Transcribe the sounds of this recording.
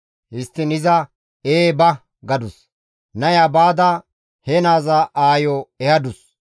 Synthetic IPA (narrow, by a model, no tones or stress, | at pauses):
hɪst̪ːɪnɪzɐ | eːbɐ | ɡɐd̪ʊs | nɐjabaːd̪ɐ | henaːzɐʔaːjɔɛhɐd̪ʊs